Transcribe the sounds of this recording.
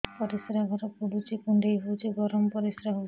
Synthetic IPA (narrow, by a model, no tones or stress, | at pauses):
pɔɾisɾaɡʱɔɾɔkuɽut͡ʃekuɳɖejɦot͡ʃeɡɔɾɔmpɔɾisɾaɦo